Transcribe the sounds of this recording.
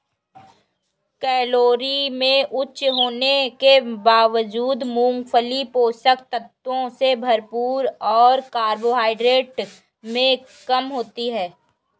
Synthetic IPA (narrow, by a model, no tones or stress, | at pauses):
kɛːloːɾimẽʔʊtːʃɦoːnekebaːʋəd͡ʒuːd̪mũːŋɡpʰəlipoːsəkt̪ət̪wõsebʱɐɾpuːɾɔːɾkaːɾboɦaːɪɖɾeːʈ | mẽ | kɐmɦoːt̪iɦɛː